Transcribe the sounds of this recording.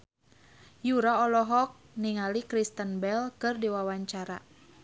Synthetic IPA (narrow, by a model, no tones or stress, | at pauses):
juɾaɔlɔɦɔk̚niŋalikɾist̪ənbɛlkɨrdiwawaɲt͡ʃaɾa̰